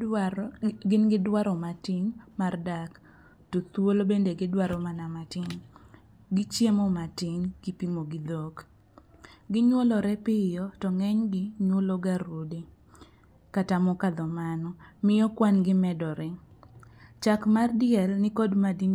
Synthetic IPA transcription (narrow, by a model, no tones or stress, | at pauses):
ɡɪnɡɪdwaɾɔmatɪnmardak | tot̪wolobendeɡɪdwaɾɔmanamatɪn | ɡɪt͡ʃjemɔmatɪŋɡ̥ipimoɡɪd̪ok | ɡɪɲwolɔɾɛpɪjɔtɔŋɛɲɡɪɲwoloɡaɾodi | katamɔkad̪ɔmanɔmɪjɔkwanɡɪmɛdɔɾɪ | t͡ʃakmardɪɛlnɪkodmadin